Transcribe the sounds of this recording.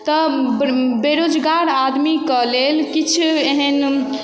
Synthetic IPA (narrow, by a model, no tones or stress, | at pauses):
t̪ɔ | beɾod͡ʒɡaɾad̪mikəlelkit͡ʃʰeɦən